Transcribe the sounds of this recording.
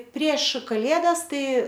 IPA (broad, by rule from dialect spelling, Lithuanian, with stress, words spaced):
pʲrʲiɛʃ kɐˈlʲeːdɐs ˈtɐɪ